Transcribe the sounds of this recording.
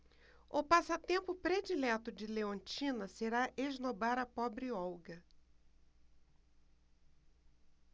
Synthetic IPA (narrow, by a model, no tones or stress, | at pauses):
ʊpasɐt̪ẽmpʊpɾed͡ʒilɛt̪ʊd͡ʒɪleõnt͡ʃĩnɐseɾaʔeʒnobaɾɐpɔbɾɪɔwɡɐ